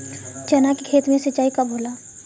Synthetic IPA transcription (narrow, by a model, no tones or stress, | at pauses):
t͡ʃɐnakikʰeːt̪mẽsɐt͡ʃːaːikaboːlaː